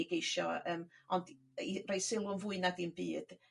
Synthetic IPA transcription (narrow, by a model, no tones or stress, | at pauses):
ɡejʃɔəːmɔnd | irajsɪlˠʊnvʊɨnadinbḭːd̥